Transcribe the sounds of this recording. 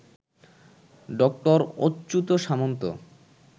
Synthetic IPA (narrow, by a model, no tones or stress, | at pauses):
ɖɔk̚ʈoɾotːɕut̪oʃamont̪o̰